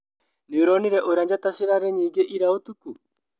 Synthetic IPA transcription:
neoɾɔneɾɛʔoɾaɲd͡ʒataseɾaɾɛɲiːŋɡeʔiɾaotuku

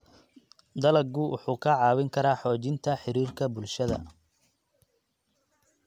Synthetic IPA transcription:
d̪ɐlɐɡʊwʔʊ̰ħuːkʰɐʕɑːwɪŋkʰɐɾaːħɔːt͡ʃɪnt̪ʰɐħɪɾiːrkʰɐbʊlʃɐðɐ̰

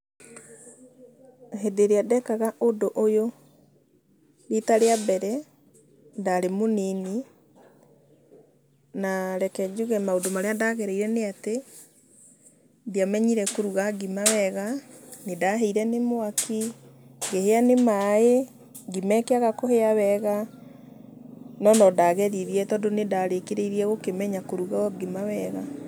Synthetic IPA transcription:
hedeɾeadɛkaɣaʔodoʔojo | ɾetaɾeabɛɾɛ | daɾemonini | naɾɛkɛd͡ʒuɣɛmaodomaɾeadaɣɛɾɛiɾɛneate | diamɛɲiɾɛkoɾuɣaɡimawɛɣanedaɦɛiɾɛnemoakiŋɡeheanemaje | ɡimɛkeaɣakoheawɛɣa | nɔnɔdaɣɛðiðjɛtɔːndonedaɾekeɾeiɾiɛɣokemɛɲakoɾuɣaɔɡimawɛɣa

